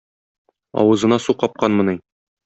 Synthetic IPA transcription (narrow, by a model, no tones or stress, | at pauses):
ɒ̰wɤ̆zɤ̆nɑsuqɒp̚qɑnmɤ̆nɤj